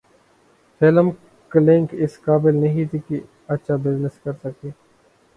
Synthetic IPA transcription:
fʰɪləm | klɪ̃ŋkɪskaːbɪlnɐɦĩt̪ʰiki | ɐtːʃʰabɪznɪskɐɾsəkiː

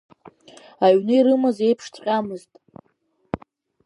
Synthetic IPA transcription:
aɥnɨiɾɨmaze̞jpʰʂt͡sʰʼqʲʼamɨztʼ

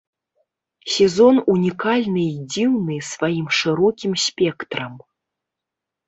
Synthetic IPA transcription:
sʲɛzɔnunʲikalʲnɨid͡zʲiwnɨsvajimʂɨɾɔkʲimsʲpʲɛkt̪ɾɐm

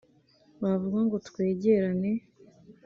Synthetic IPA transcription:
βavuɡaŋɡo̞tkwe̞ːɟe̞ɾane̞

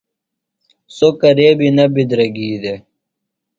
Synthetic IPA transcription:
sokɐɾeːbinɐbid̪ɾɐɡiːd̪e

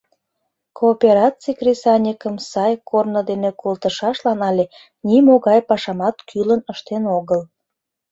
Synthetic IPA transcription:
koːpʲeɾɑt͡sikrisɑnʲikəmsɑjkʰornəd̪enekolt̪əʃɑʃlɑnɑlʲe | nimoɣɑjpɑʃɑmɑt̪kʰylənəʃt̪enoɣəl

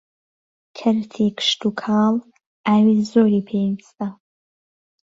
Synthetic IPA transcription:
kʰɐɾt̪ʰikʰɨ̥ʃt̪ukʰɑːl | ʔaːwiːzoːɾiːpʰeːist̪a

